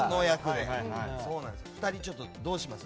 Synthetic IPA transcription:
nojakɯd̪eso̞ːnã̰nd̪ɸɯ̟̥t̪aɾʲit͡ɕo̞t̪ːod̪o̞ːɕimasɨ

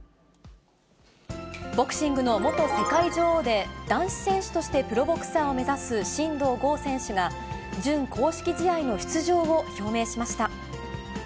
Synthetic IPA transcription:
bo̞kɯ̟̥ɕĩŋɡɯ̟no̞mo̞t̪o̞se̞kaid͡ʑoːd̪e̞d̪ãɰ̃ɕi̥sẽ̞ɰ̃ɕɨ̥t̪o̞ɕi̥t̪e̞pɯ̟ɾo̞bo̞kɯ̟̥saːome̞zasɨɕĩnd̪o̞ːɡo̞ːsẽ̞ɰ̃ɕɨɡa | d͡ʑɨ̃ŋkʰo̞ːɕi̥kʲiʑijaino̞çi̥t͡sɨʑo̞ːoço̞ːme̞ːɕimaɕi̥t̪a

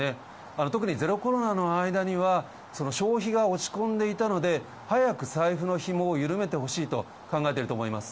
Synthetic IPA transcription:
e | ano̞t̪o̞kɯ̟ɲ̟ize̞ɾo̞ko̞ɾo̞nano̞aid̪aɲ̟iβa | so̞no̞ɕo̞ːçiɡao̞t͡ɕi̥kõ̞nd̪e̞it̪ano̞d̪e̞ | hajakɯ̟saiɸɯ̟no̞çimo̞ːjɯ̟ɾɯ̟me̞t̪e̞ho̞ɕiːt̪o̞ | kãŋɡaet̪e̞ɾɯ̟t̪oːmo̞imasɨ̥

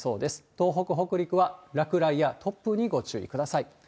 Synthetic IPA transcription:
so̞ːd̪e̞sɨ̥t̪o̞ːɦo̞kɯ̟ɦo̞kɯ̟ɾʲikɯ̟βaɾakɯ̟ɾaijat̪ʰo̞pːɯ̟ɲ̟iɡo̞t͡ɕɨ̰ːḭkɯ̟d̪asai

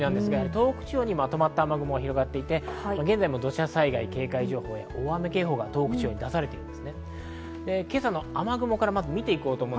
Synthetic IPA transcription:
nãnd̪esɨɡajaɦaɾʲit̪o̞ːkɯ̟̥t͡ɕioːɲ̟imat̪o̞mat̪ːaːmaɡɯ̟mo̞ɡaçiɾo̞ɡat̪ːe̞it̪e̞maɡe̞nd͡zaimo̞d̪o̞ɕasaiɡaike̞ːkaiʑo̞ːho̞ːja̰ʔoːameke̞ːɦo̞ːɡat̪o̞ːkɯ̟t͡ɕijo̞ːɲ̟id̪asaɾe̞t̪e̞i̟nmdesɨne̞ | d̪e̞ke̞sano̞amaɡɯ̟mo̞kaɾamazɨmʲit̪e̞iko̞ːt̪oːmõː

